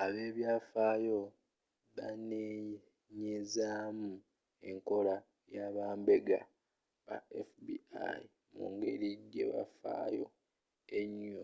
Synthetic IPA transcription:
aβe̞ːβjaːfaːjo̞ | βane | ɲezaːmu | e̞ŋko̞la | jaβaːmbe̞ɡa̰ | βa̰efbḭa̰ji | mṵŋɡe̞̰ɾiɟe̞̰βa̰fa̰ːjo̞ | eɲːo

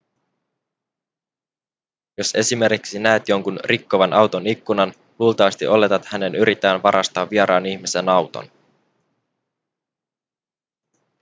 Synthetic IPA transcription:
jo̞se̞sime̞rkiksinæet̪jo̞ŋkunrʔikːoʋɑnʔɑwt̪o̞nikːunɑn | luːlt̪ɑʋɑst̪iʔo̞le̞t̪ɑt̪hæne̞nyɾit̪ːæːnʋɑɾʔɑst̪ɑːʋːieɾɑːniçmise̞nɑwt̪o̰n

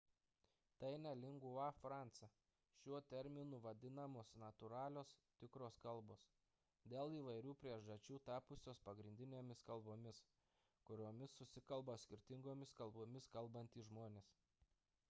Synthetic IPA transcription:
t̪ɐɪnʲɛlʲɪŋɡʊʋɑfɾɑˑnt̪sɐ | ʃʲuɔt̪ʲɛɾʲmʲɪnuːʋɐd̪ʲɪnɐmoːsnɐt̪ʊɾɑːlʲoːst̪ʲɪkɾoːskɐlˠboːs | d̪ʲeːlˠiːʋɐɪɾʲuːpʲɾʲiɛʒdɐt͡ʃʲuːt̪ɑːpʊsʲoːspɐɡɾʲɪnd̪ʲɪnʲeːmʲɪskɐlˠboːmʲɪs | kʊɾʲoːmʲɪsʊsʲɪkɐlˠbɐsʲkʲɪɾʲt̪ʲɪŋɡoːmʲɪskɐlˠboːmʲɪskɐlˠbɐnʲt̪ʲiːʒmoːnʲeːs

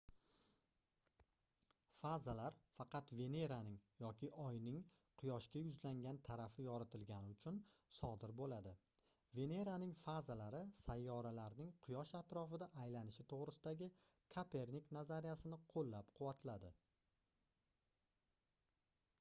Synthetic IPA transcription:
fazalaɾfɑqʰɑt̪ve̞ne̞ɾanɪŋjɒkʲɪʔɒjnɪŋ | qʰʊjɒʃkʲajʊzlaŋɡʲant̪ʰaɾafɪjɒɾat̪ʰɪlɡʲanɪʊt͡ʃʰʊnsɒd̪ɪɾbolad̪ɪ | ve̞ne̞ɾanɪŋfazalaɾɪsajːɒɾalaɾnɪŋqʰʊjɒʃat̪ɾɒfɪd̪aʔːjlanɪʃɪt̪ʰoʁɾɪsɪd̪aɡʲɪ | kʰapʰe̞ɾniknazaɾijasɪnɪqʰolːapqʰʊwat̪lad̪ɪ

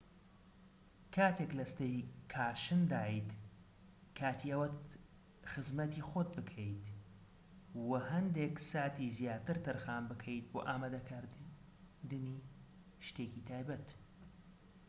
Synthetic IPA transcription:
kʰaːt̪ʰeklɐst̪ɐjkʰaːʃɨnd̪aːit̪ | kʰaːt̪ʰiɐwɐt | xɨzmɐt̪ixot̪̚bɨkʰɐjt̪ | wɐhɐnd̪eːksaːt̪izjaːt̪ɨɾt̪ʰɨɾxaːmbɨkʰɐjt̪̚bo̰ːʔaːmaːd̪ɐkʰaɾ | d̪ɨni | ʃt̪eːkit̪ʰaːjbɐt̪

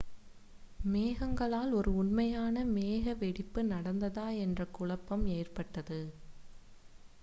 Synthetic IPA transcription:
meːɣɐŋɡɐɭaːlɔɾɯʊɳmɐjaːnɐmeːɣɐʋɛɽɪpːɯnɐɽɐnd̪ɐðaːɛndrɐkːʊɭɐpːɐmeːrpɐʈːɐðɯ

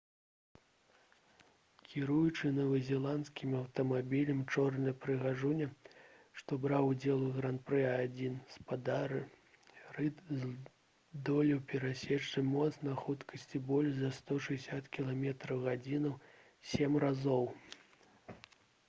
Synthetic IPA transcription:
kʲiɾujut͡ʂɨnɐvɐzʲɛlˠant̪skʲimɐwt̪ɐmabʲilʲɐmt͡ʂɔrnɐjpɾɨɣaʐunʲɛʂt̪ɔbɾawd͡zʲɛlˠuɣɾanpɾɛad͡zʲinspad̪aɾɨ | rɨz | d̪ɔlʲɛwpʲɛɾasʲɛt͡ʂːɨmɔt̪snɐxut̪kɐsʲt͡sʲibɔlʲʐzɐst̪ɔʂɨɛsʲat̪kʲilˠamʲɛt̪ɾɐwɣad͡zʲinɐw | sʲemrazɔw

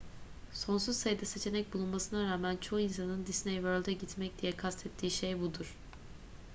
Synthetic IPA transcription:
so̞ns̬uzsajɯd̪ase̞t͡ʃʰe̞nɛc̚bulˠunmasɯnaɾaːmænt͡ʃʰo̞insanɯnd̪isnejvøɾlʲd̪ɛɟit̪mɛc̚d̪ijɛkʰast̪ʰɛt̪ʰːiːʃejbud̪uɾ̥

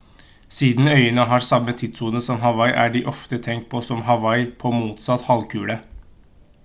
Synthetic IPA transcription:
siːd̪n̩œʏənəɦɑɾsɑmːət̪ʰɪd̪suːnəsɔmɦɑʋɑɪʔæ̰ɖɪʔɔft̪ət̪ʰɛŋkt̪̚pʰɔsɔmɦɑʋɑɪpʰɔmuːt̪sɑt̪hɑlkʰʉːlə

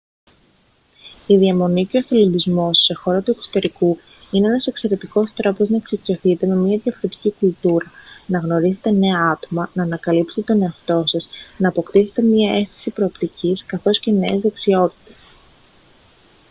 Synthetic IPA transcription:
iðiɐmo̞niceoθelob̪izmo̞sse̞xo̞ɾɐt̪ue̞kso̥t̪e̞ɾiku | ineenɐse̞kse̞ɾe̞t̪iko̞st̪ɾopo̞znɐeksicioθit̪e̞me̞mɲɐðjɐfo̞ɾe̞t̪i̥cikult̪uɾɐnɐɣno̞ɾize̞t̪e̞ne̞ɐɐt̪o̞mɐnɐːnɐkɐlipset̪et̪one̞ɐft̪o̞sɐsnɐːpo̞kt̪ise̞̥t̪emɲɐe̞st̪i̥sipɾo̞ːpt̪icʰiskɐθo̞sce̞ne̞ezðe̞ksio̞t̪i̥t̪e̞̥s

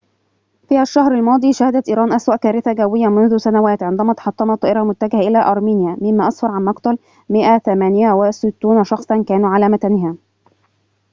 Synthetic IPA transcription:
fiːʔaʃːɑhɾalmɑːd̪ˤiːʃæhɪd̪æt̪ʔiːɾɑːnʔæswæʔkæːɾɪθaɡæwːɪjːæmʊnðʊsænæwæːt̪ʕɪnd̪æmæːt̪ɑ̥ħɑt̪ˤːɑmɑt̪ːˤɑːʔɪɾɑmʊt̪ːæɡɪhʔɪlæːʔɑɾˤmiːnjæmɪmːæːʔɑsˤfɑɾˤʕanmɑqt̪ˤɑl | mɪʔæθæmæːnɪjawɪsɪt̪ːuːnʃɑxsˤɑnkæːnuːʕalæːmæk̪ænɪɦæː

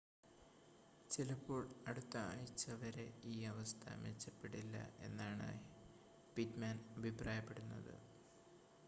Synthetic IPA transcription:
t͡ɕilɐpːoːɭɐɽut̪ːɐa̰ːjit͡ɕːɐʋɐɾe̞iːɐʋɐst̪ʰɐ̰met͡ɕːɐpːe̞ɽilːɐ̰e̞̰nːaːɳa̰ːj | pitmaːnɐbʱipraːjɐpːe̞ɽunːɐ̰ðɨ̰

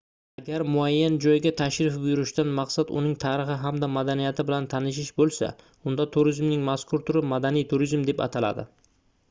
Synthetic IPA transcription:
aɡʲaɾmʊajːand͡ʒɒjɡʲat̪ʰaʃɾɪfbʊjʊɾɪʃd̪anmaqsat̪ʊ̰nɪŋt̪ʰaɾɪχɪɦamd̪amad̪anijat̪ʰɪbɪlant̪ʰanɪʃ̬ɪʃbolˠsa̰ | ʊnd̪at̪ʰʊɾɪzmnɪŋmaskʰʊɾt̪ʰʊɾɪmad̪anijt̪ʰʊɾizmd̪e̞pa̰t̪ʰala̰d̪ɪ̰

